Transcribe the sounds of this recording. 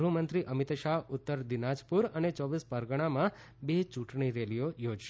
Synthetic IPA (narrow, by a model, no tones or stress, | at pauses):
ɾumənt̪ɾiʔəmɪt̪ʃaɦʊt̪ːəɾd̪inad͡ʒpuɾənet͡ʃɔʋispəɾɡəɽ̃amã | bet͡ʃũʈɳiɾelijojod͡ʒʃe